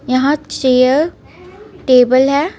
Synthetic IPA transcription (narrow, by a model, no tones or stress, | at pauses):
jɐɦãt͡ʃeːjəɾ | ʈeːbəlɦɛː